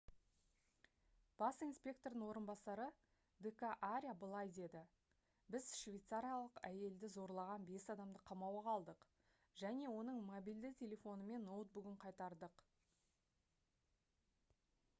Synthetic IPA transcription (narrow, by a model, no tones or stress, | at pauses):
b̥ɑsinspʲe̞k̚t̪o̞rd̪əɴwo̞ɾənbɑsɑɾə | d̪ekaʔaɾʲijabəlˠɑjd̪e̞d̪ɪ | bɪzʃvʲejt̪saɾʲijalˠəqæje̞ld̪ɪzo̞ɾlˠɑʁɑnbe̞sɑd̪ɑmd̪əqʰɑmɑwɑqʰɑlˠd̪əq | ʒæne̞wo̞nəɴmobild̪ɪtʲʰe̞lʲe̞fo̞nəme̞nːowt̪̚bʏɡʲɪɴqʰɑjt̪ɑɾd̪əq